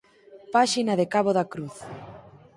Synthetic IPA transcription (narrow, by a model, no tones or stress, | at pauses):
paʃinaðekaβoðakɾuθ